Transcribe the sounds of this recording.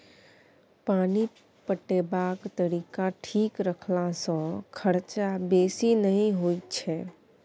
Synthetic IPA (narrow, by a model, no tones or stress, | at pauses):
paːni | pəʈebaːkt̪əɾiːkaʈʰiːkɾəkʰlasɔ̃kʰəɾt͡ʃabeːsinəɦĩɦoːit͡ʃʰɛ